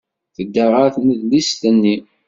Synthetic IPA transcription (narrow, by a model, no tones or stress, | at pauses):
θəd̪ːəʁəɾθməðlist̪ənːi